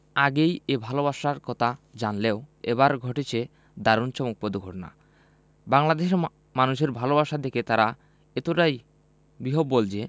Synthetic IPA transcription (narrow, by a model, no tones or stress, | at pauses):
aɡejebʱalobaʃaɾkɔt̪ʰad͡ʑanleoeβaɾɡʱoʈet͡ɕʰe | d̪aɾont͡ɕɔmuk̚pod̪uɡʱoʈna̰ | baŋlad̪eʃe | manuʃeɾbʱalobaʃad̪eket̪aɾa | et̪oʈaj | biɦobːold͡ʑe